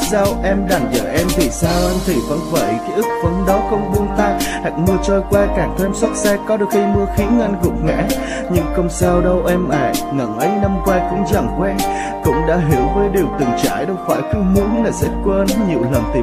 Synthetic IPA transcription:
saː˧wʔɛ˧mɗaː˨˩ŋzə̰ː˧˩ʔɛ˧mt̪ʰi˨˩saː˧wʔə˧nt̪ʰi˨˩və˨˦nvə̰ː˧˩jkaː˨˦jʔɨ˦˥k̚və˨˦nɗɔ˨˦xə˧wŋ͡mɓu˧ənt̪aː˧jha˨˩k̚mɨ˧ət͡ɕɔ˧jkwaː˧kaː˧˩ŋt̪ʰwmswa˦˥t̚sɛ˧kɔ˨˦ɗɨ˨˩ək̚xi˧mɨ˧əxi˨˦ŋə˧nɣʊ̰˨˩k͡p̚ŋa̰˧˥ | ɲɨ˧ŋxə˧wŋ͡msaː˧wɗə˧wʔɛ˧mʔa̰ː˧˩jŋə˧˩ŋʔə˨˦jna˧mkwaː˧kʊ̰˧˥ŋ͡mzaː˧˩ŋkwɛɛ˧n | kʊ̰˧˥ŋ͡mɗa̰ː˧˥ɦi˧˩əwvəː˨˦jɗi˨˩əwt̪ɨ̰˨˩ŋt͡ɕa̰ː˧˩jɗə˧wfaː˧˩jkɨ˨˦mu˨˧˦ənlaː˨˩sɛ̰˧˥kwə˧nɲḭ˨˧˨əwləː˨˩mt̪i˨˩

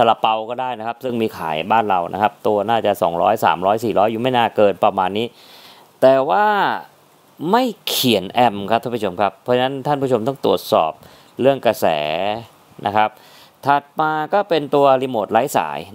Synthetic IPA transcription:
t̪ʰa˧la˧pa˧wkɔː˥˩daː˥˩jna˦˥kʰa˦˥p̚sɯ˥˩ŋmiː˧kʰa̰ː˩˦jbaː˥˩nɾa˧wnʔa˦˥kʰa˦˥p̚t̪u˧ɐnaː˥˩t͡ɕa˨˩sɔː˩˦ŋɾɔ̰ː˦˥jsa̰ː˩˦mɾɔː˦˥jsiː˨˩ɾɔː˦˥jːuː˨˩ma˥˩jnaː˥˩kɤː˧npɾa˧maː˧nːiː˦˥ | t̪ɛː˨˩waː˥˩ | ma˥˩jkʰi˨˩˦nʔɛ˧mkʰa˦p̚t̪ʰa˦˥pːʰo˧mkʰa˦˥pʰːɔː˧˦˥t͡ɕʰa˧na˦˥nt̪ʰa˥˩npʰuː˥˩o˧mt̪ɔ˥˩t̪ɾu˨˩ət̪̚sɔ̰ː˨˩p̚ | ɾɯ˥˩əŋkɾa˧sɛ̰ː˩˦ | nʔa̰˦˥kʰa˦˥p̚ | t̪ʰa˨˩t̪̚maː˧kɔː˥˩pe˧nt̪u˧ɐɾiː˧moː˨˩t̪̚la˦˥jsa̰ː˩˦j

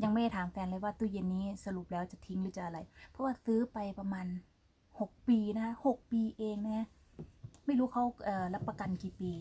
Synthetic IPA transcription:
ja˧ŋma˧˩˨t̪ʰaː˨˦mfɛː˧nla˧˩jwaː˧˩t̪uː˧˩je˧˩nːiː˦˥˩sa˧lu˨˩p̚lɛː˦˥wt͡ɕa˨˩t̪ʰi˧˦ŋɯː˦˥˩t͡ɕa˧˩ʔa˧la˧jpʰɔ˦˥waː˧˩sɯː˦˥pa˧jpa˧maː˧n | ho˨˩k̚piː˧na˦˧kʰa˧˥ho˨˩k̚piː˧ʔeː˧ŋna˧˦˥ | ma˥˩jluː˦˥kʰa˦˥˩wʔɤː˨˩la˦˥pːa˧ka˧nkiː˨˩piː˨˧

